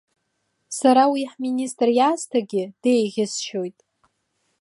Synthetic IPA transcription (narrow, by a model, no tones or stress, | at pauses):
saɾawiħminʲistʼrjaːstʰaɡʲɪd̥ejɣʲɪsʃojtʼ